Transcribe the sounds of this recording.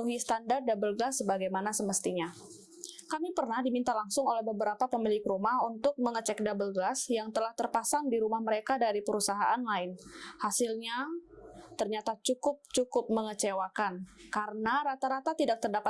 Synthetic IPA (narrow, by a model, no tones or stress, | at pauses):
uɦist̪andar̚dabəlɡəlasːəbaɡajmanasəməst̪iɲa | kamipərnahdimint̪alaŋsʊŋolɛhbəbəɾapapəmilɪkɾumahunt̪ʊk̚məŋət͡ʃɛk̚dabəlɡəlasjaŋt̪əlaht̪ərpasandiɾumahməɾekadaɾipəɾusaɦaʔanlaɪnhasɪlɲa | t̪ərɲat̪at͡ʃukʊp̚t͡ʃukʊp̚məŋət͡ʃewakankaɾənaɾat̪aɾat̪at̪idak̚t̪ərdapa